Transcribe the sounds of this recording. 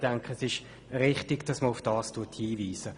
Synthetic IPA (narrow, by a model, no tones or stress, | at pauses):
d̥ɛŋkχəsɪʃ | ʁɪχtɪɡd̥ɑsməʊfd̥ɑːstʰuɐthiːviːsə